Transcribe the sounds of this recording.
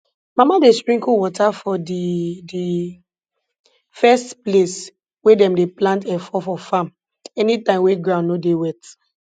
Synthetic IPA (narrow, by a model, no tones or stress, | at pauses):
mamadestɹĩkuwɔtʰafɔdidi | fɛstples | wedɛ̃mdeplãntɛfɔfɔfãm | ɛnitãɪ̃mweɡɹãnːodewɛt